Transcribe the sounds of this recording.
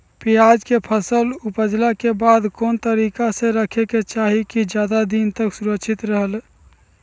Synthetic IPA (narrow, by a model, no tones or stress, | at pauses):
pijad͡ʒkepʰəsəlupəd͡ʒlakebad̪kont̪əɾikasẽɾəkʰeket͡ʃaɦikid͡ʒjad̪ad̪int̪əksuɾəkʃʰit̪ɾəɦəl